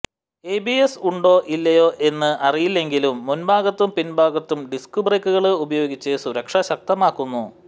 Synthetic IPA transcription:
eːbiesuɳɖo̞ːʔilːɐjo̞ːʔe̞nːɨʔɐrijilːe̞ŋɡilumːunbaːɡɐt̪ːumpinbʱaːɡɐt̪ːumɖiskubrejkːuɣɐɭɨubɐjo̞ːɡit͡ɕːɨsuɾɐkʂɐɕɐk̚t̪ɐmaːkːunːu

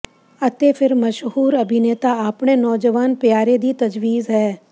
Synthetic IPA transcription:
ɐt̪epʰɪɾmɐʃɦuːɾɐbʱineːt̪aaːpɳenɔːd͡ʒəʋaːnpjaːɾed̪it̪ɐd͡ʒʋiːzɦɛː

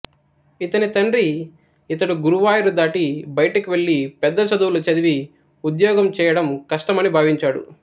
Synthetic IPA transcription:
it̪ɐnit̪ɐɳɾi | it̪ɐɽuɡuɾuʋaːjɐɾud̪aːʈibɐjɐʈɐkiʋe̞ɭːipɛd̪ːɐt͡ʃɐd̪uwlɐt͡ʃɐd̪iʋi | ud̪jɔːɡɐmt͡ʃɛːjɐɽɐmkɐʂʈɐmɐnibʱaːʋiɲt͡ʃaːɽṵ

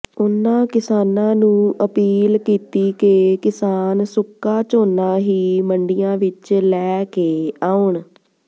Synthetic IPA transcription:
ʊnːãːkɪsaːnãːnũːʔəpiːlkiːt̪iːkeːkɪsaːnsʊkːaːt͡ʃoːnaːɦiːməɳɖijãːʋɪt͡ʃlɛːkeːaːʊɳ

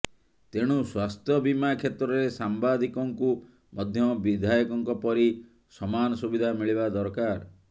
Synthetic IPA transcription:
t̪eɽ̃uswast̪ʰjɔbimakʰet̪ɾɔɾesambad̪ikɔŋku | mɔd̪ʱjɔbid̪ʱajɔkɔŋkɔpɔɾi | sɔmanɔsubid̪ʱamiɭibad̪ɔɾkaɾ

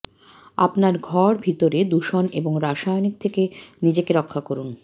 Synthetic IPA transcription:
a̰pnaɾɡʱɔɾbʱit̪oɾed̪uʃoneboŋɾaʃajonik̚t̪ʰekenid͡ʑekeɾɔkʰːakoɾun

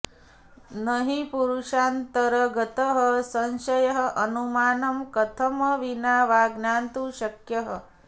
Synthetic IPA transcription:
nəɦipuɾuʃaːnt̪ɐɾɐɡɐt̪əɦəsɐnʃɐjɐɦɐ̆ʔɐnumaːnɐmkɐt̪ʰɐmɐʋinaːʋaːɡnaːnt̪uʃɐkjɐɦə

